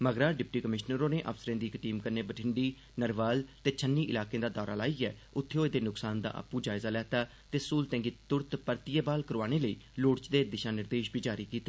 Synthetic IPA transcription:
məɡɾaːɖɪpʈiːkəmɪʃnəɾõːneːʔə̰fsəɾẽːd̪iːɪkʈiːmkəɾneːbəʈʰɪɳɖiː | nəɾʋaːlt̪eːt͡ʃʰənːiːʔɪlaːkẽːd̪aːd̪ɔːɾa̰ːlaːiːɛːʊt̪ʰːeoːed̪eːnʊksaːnd̪a̰ːʔə̰puːd͡ʒaːɪzaːlɛːt̪aː | t̪eːsuːlt̪ɛ̃ːŋɡiːt̪ʊɾt̪pəɾt̪ɪjeːbaːlkəɾʋaːɽ̃eːləiːloːɽt͡ʃd̪eːd̪ɪʃaːnɪɾd̪eːʃbʱiːd͡ʒaːɾiːkiːt̪ːeː

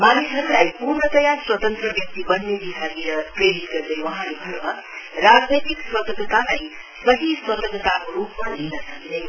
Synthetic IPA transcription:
manisʌɾulajpurɳʌt̪ʌjaswʌt̪ʌnt̪rʌbjʌk̚t̪ibʌnːebisʰaɡiɾʌpreɾit̪ɡʌrd̪ʌjwʌɦãlebʱʌnmʌ | rad͡znʌjt̪ikswʌt̪ʌkət̪alaj | sʌɦiswʌt̪ʌkʌt̪akoɾupmalinʌsʌkd̪ʌ

